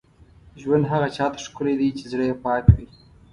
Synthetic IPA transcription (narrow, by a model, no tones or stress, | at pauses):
ʒwand̪ɦaɣat͡ʃɑt̪ḁʂkʊled̪it͡ʃezɽəjepɑkwi